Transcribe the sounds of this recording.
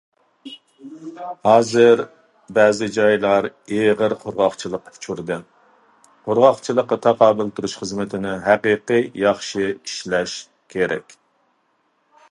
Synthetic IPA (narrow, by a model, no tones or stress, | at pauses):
hɑːzɨɾ | bɛːzɪd͡ʒɑjlˠɑɾeʁəɾqʰʊɾʁɑχt͡ʃʰilˠəqʰt͡ʃʰuɾd̪ɨ | qʰʊɾʁɑχt͡ʃʰɨlˠəqːɑt̪ʰɑqʰɑːbɨlˠt̪ʰuɾuʃχəzmɪt̪ʰɪnɪɦæqiːqɨjɑχʃɨiʃlɛʃ | kʲʰeɾɛ̰kʲ